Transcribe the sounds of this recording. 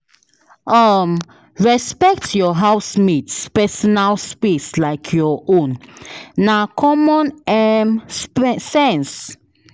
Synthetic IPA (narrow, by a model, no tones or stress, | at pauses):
ʔam | ɹɛspɛk̚tjɔɦawsmitspɛsɔnalspislajkʰjɔʔõnː | akʰɔmɔ̃nɛmssɛ̃ns